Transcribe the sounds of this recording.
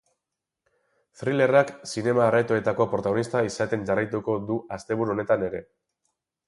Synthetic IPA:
θɾile̞raksine̞maːret̪oe̞t̪ako̞pɾo̞t̪aɣo̞nist̪aisat̪e̞nʝarajt̪uko̞d̪uast̪e̞β̞uɾuo̞ne̞t̪ane̞ɾe̞̰

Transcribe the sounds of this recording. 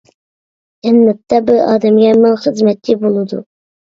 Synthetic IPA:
ɛnːɛp̚t̪ɑbuɑːd̪ɛmɡʲɛmɨŋχəzmɛt̪ːɪbolˠɨd̪ṵ

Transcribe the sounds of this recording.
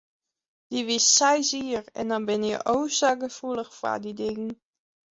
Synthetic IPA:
d̥iʋɪssajziːɹɛ̰ndɔnbɪnjə̰ʔowsaɡəfuləχfa̰didɪŋən

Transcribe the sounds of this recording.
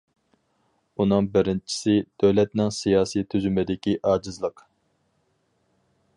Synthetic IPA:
unɨŋbɪɾɪnt͡ʃʰi̥sɪd̪̥øwlɛt̪nɪŋsijɑːsit̪ʰyzymɪd̪ɪkʲiʔɑːd͡ʒɨzlˠəq

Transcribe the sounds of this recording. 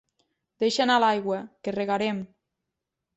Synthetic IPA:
d̪̥eʃenalajɣwəkereɣaɾem

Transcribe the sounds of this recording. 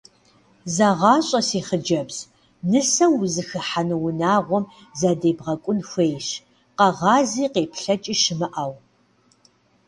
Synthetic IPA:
zaʁɑːɕʼɐsiːχəd͡ʒɐbz | nɨsɐwzɨxɨħanɨwʊnaːʁʷɔm | zaːdeːbʁɐkʷʼʊnxʷejɕ | qɐʁɑːziːqeːpʰɬɐt͡ʃʼiːʃɨmɨʔaw

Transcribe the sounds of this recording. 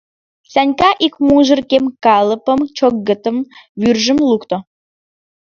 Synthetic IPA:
sʲænʲkɑʔikmuʒə̆rkemkɑlˠəpə̆mt͡ʃokːə̆t̪ə̆mβyrʒə̆mlukt̪o

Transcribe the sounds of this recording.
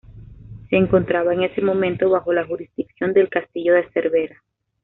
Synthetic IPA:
se̞ːŋko̞nt̪ɾaβaeŋe̞se̞mõ̞mẽ̞nt̪o̞βaxo̞laxuɾizd̪iksjo̞nd̪e̞lkast̪iʝo̞ðe̞se̞ɾβe̞ɾa

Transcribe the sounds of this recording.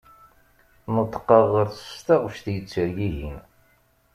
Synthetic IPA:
nət̪ˤːə̥qːəʁəɾθə̥st̪ɑʁfʃθjət͡sːəɾɡiʝin

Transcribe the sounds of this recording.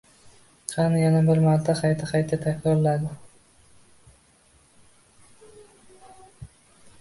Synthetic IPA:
qʰɑnjanabɪɾmaɾt̪ʰːaqʰɑjt̪ʰɪqʰɑjt̪ʰɪt̪ʰakʲʰɾɒɾlad̪ɪ

